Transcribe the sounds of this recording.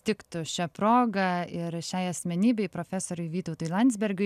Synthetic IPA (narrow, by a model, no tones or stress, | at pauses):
t̪ʲɪkt̪ʊʃʲɛpɾoːɡɐɪɾʃʲɛɪɐsʲmʲɛnʲiːbʲɛɪpɾoːfʲæsoːɾʲʊjʋʲiːt̪ɐʊt̪ʊːjlˠɐnʲzʲbʲɛɾʲɡʲʊ